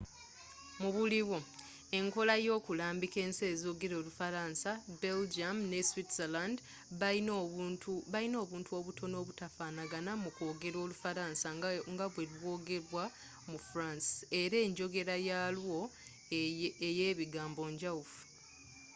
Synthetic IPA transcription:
muβuliβwo̞ | e̞ŋko̞lajo̞ːkulaːmbike̞ːnse̞ːzo̞ɡe̞ɾo̞ːlufaɾaːnsabe̞ld͡ʒamne̞switseland | βalino̞ːβuːntuo̞βutʰo̞no̞ːβutafaːnaɡanamuko̞ːɡe̞ɾo̞ːlufaɾaːnsaŋɡaβwe̞lwo̞ːɡe̞ɾwa | mufuɾansi̥e̞ɾe̞ːɲɟo̞ɡe̞ɾajaːlwo̞ | eje̞ːβiɡaːmbo̞ɲɟaufu̥

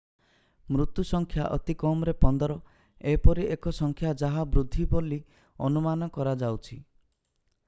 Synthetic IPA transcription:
mɾut̪jusɔŋkʰjaʔɔ̰t̪ikɔmɾepɔnd̪ɔɾɔ | epɔɾiʔekɔsɔŋkʰjad͡ʒaɦabɾud̪ʱːiboli | ɔnumanɔkɔɾad͡ʒawt͡ʃʰi

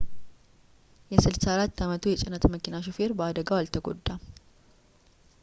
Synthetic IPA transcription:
jɛsɨlsaaɾat̪ːamət̪ʰujɛt͡ʃʼɪnːət̪məkinaʃ̬ofeɾbəad̪əɡawalt̪ʰəɡo̰d̪ːa

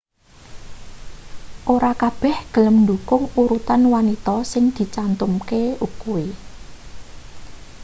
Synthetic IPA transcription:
ʔoɾakab̥ɛ̤hɡ̥ə̤ləmnd̪ṳkʊŋuɾut̪anwanit̪ɔsɪŋd̪̥i̤t͡ʃant̪ʊmkeukui

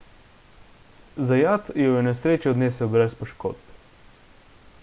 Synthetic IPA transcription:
zajaːt̪jɛwjɛnɛsɾeːt͡ʃɛɔd̪neːsɛwbɾɛspɔʃko̰ːd̪̚b

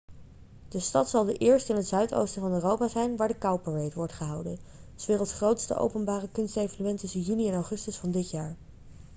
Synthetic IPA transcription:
d̥əstɑtsɑlˠdəʔɪːɹstɪnɦətzœɥto̰wstənvɑnøːrowpaːzɛjnʋaːɹdəkɑwpəɹejtʋɔɹtχəɦɑwdən | sʋɪːʁəlˠsχrowtstə̰ʔo̰wpənbaːrəkɵnstejvonymɛntɵsəjyniɛnɔwχɵstəsfɑndɪtjaːɹ

